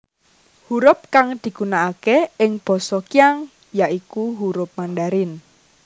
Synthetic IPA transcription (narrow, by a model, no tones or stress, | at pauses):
huɾʊp̚kaŋd̪̥i̤ɡ̥unaʔakeɪŋb̥ɔ̤sɔkijaŋ | jaʔikuɦuɾʊp̚manɖaɾɪn